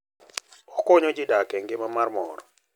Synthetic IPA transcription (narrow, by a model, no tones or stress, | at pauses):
ɔkoɲod͡ʒɪdakɛŋɡɪmamarmɔ̰ɾɔ